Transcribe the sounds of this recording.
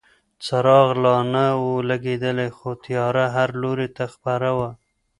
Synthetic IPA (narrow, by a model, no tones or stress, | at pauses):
t͡saɾɑɣlɑnawolaɡed̪əlexot̪jɑɾaɦaɾloɾet̪axpaɾawa